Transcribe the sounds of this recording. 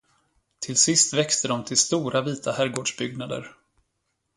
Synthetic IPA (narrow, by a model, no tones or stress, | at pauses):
t̪ʰɪlsɪst̪vɛkst̪ʰəd̪ɔmt̪ʰɪlst̪uːɾʔaviːt̪ʰahæːɾɡoːɖʂbʏɡ̚nad̪ə̰ɾ